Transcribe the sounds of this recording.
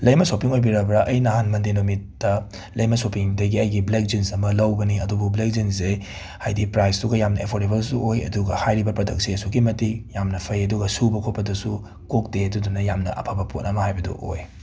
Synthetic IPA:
lɐjmɐsopiŋojbiɾɐbɾɐʔɐjnɐɦanmɐndenomitːɐ | lɐjmɐsopiŋdɐɡiɐjɡiblek̚d͡ʒinsɐmɐlɐwbɐniɐdubublek̚zinse | hajdipɾajsduɡɐjamnɐepʰoɾdebɐlsuojɐ̰duɡɐhajɾibɐpɾodɐk̚siɐsuɡimɐtik̚jamnɐpʰɐjɐduɡɐsubɐkʰot̚pɐdɐsu | kok̚deɐdudunɐjamnɐ̰ʔɐ̰pʰabɐpʰotnɐmɐhajbɐdṵʔo̰j

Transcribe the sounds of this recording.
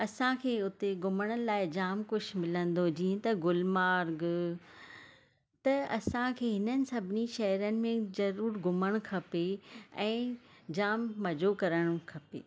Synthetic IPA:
ɐsãkʰeːʊt̪eɡʊməɽ̃əɪlaːɪd͡ʑaːmkʊʃʰmɪlə̃nd̪od͡ʑiːə̃t̪ɐɡʊlmaːɾɡ | t̪ɐɐ̰sãkʰeːɦɪnənɪ̆sɐbʱɪniʃɐɦɾənɪ̆mẽzɐɾuːɾɡʊməɽ̃kʰɐpeɛ̃ːd͡ʑaːmːɐd͡ʑokɐɾəɽ̃kʰɐpḛː

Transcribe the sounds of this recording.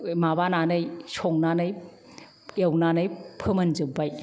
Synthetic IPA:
mabananɯjsʰɔŋnanɯj | ewnanɯjpʰɯmɐnzɯbaj

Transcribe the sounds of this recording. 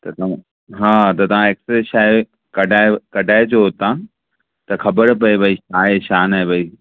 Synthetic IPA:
t̪ɐt̪ɐã | ɦãːt̪ɐt̪ɐʋ̤ãeːksɾeʃaːe | kɐɖʱaːekɐɖʱaːɪd͡ʑoɦot̪ã | t̪ɐxɐbəɾpɐebʱɐiʃaːeʃaːnaːebʱɐi

